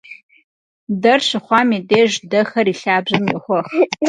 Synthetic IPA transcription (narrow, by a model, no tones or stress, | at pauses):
dɐrɕɨχʷɑːmiːdeːʒdɐxɐɾiːɬaːbʑɐmjɪχʷɔχ